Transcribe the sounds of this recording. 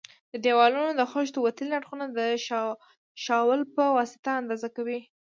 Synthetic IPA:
d̪əd̪ewɑlunod̪əxoʃ̬t̪d̪əwat̪əlinaɽxunad̪əʃ | ʃɑwəlpəwɑsɪ̥t̪aːnd̪ɑzakawi

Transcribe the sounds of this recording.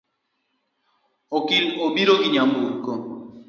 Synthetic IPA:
okiobiɾoɡiɲamboko

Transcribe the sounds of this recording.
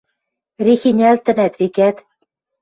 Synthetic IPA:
rixinʲælt̪ɘ̆næt̪vikæt̪

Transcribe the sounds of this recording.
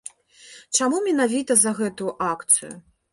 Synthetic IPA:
t͡ʂamumʲɛnavʲit̪ɐzɐɣɛt̪ujuʔakt̪sɨjṵ

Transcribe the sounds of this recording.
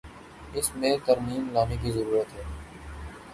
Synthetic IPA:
ɪsmẽt̪əɾmiːmlaːnek̬izəɾuːɾət̪ɦɛː

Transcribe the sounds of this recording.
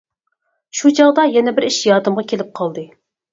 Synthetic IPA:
ʃut͡ʃʰɑʁd̪ɑjɛnɛbɪɾiʃjɑːd̪ɨmʁɑkʲʰelɪp̚qʰɑlˠd̪ɨ

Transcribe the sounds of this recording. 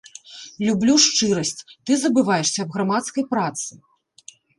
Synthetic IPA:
lʲublʲuʂt͡ʂɨɾɐsʲt͡sʲt̪ɨzɐbɨvajɛʂsʲɐːbɣɾamat̪skɐjpɾat̪sɨ

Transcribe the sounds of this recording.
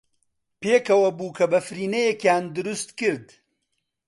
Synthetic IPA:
peːkɐwɐbuːkʰɐbɐfɾiːnɐjekjaːnd̪ʊɾust̪kɨɾd̪

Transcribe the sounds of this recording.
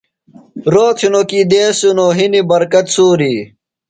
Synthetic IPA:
ɾoːt̪ʰinokiːd̪eːsunoɦinibɐɾkɐt̪suːɾiː

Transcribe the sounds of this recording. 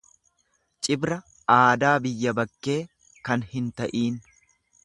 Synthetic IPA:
t͡ʃʼɪbɾɐ | aːd̪aːbɪjːɐbɐkːe̞ː | kɐnhɪnt̪ɐʔiːn

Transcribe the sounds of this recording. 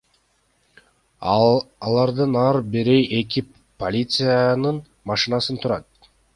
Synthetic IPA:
lˠɑɾd̪ɯnɑɾbiɾejʔe̞ki | polʲit̪sɨjanɯn | mɑʃɨnɑsɯnt̪ʰuɾɑt̪̚

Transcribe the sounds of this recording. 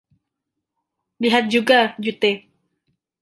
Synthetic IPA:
liɦat̪̚d͡ʒuɡad͡ʒut̪e

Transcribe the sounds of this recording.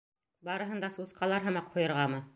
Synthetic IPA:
bɑɾɤ̆ɦɤ̆nd̪ɑsusqɑlˠɑɾɦɤ̆mɑqhujɤ̆ɾʁɑmɤ

